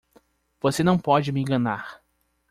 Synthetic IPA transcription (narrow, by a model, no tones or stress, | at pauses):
v̥osenɐ̃w̃pɔd͡ʒɪmɪẽŋɡɐnaɾ